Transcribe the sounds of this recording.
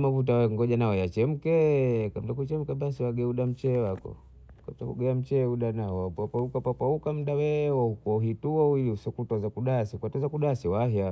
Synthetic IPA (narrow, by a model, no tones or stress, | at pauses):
mavut̬awɛŋɡɔʄanaɔjat͡ʃɛm̩kɛkamtakut͡ʃɛm̩kɛɓasiwaɡɛuɗam̩t͡ʃɛwakɔ̰ | kamtakṵɡɛam̩t͡ʃɛuɗanaɔpapaukapapaukam̩ɗawɛwɔukɔɦituɔujusɔkutɔzakuɗasikwatɔzakuɗasiwahja